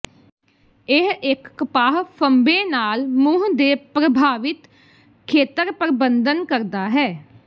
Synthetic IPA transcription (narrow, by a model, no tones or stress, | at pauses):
ɪɦɪkːpaːɦpʰəmbeːnaːlmʊːɦd̪eːpɾəbʱaːʋɪt̪ | kʰeːt̪əɾpɾəbənd̪ənkəɾd̪aːɦɛː